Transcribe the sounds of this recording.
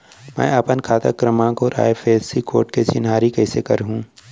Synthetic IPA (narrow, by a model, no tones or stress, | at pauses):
mɛ̰̃ːɐpənkʰaːt̪əkɾəmãkoɾa̰ːepʰeːd̪sikoːʈket͡ʃɪnɦaːɾikɛːsekɐɾɦũː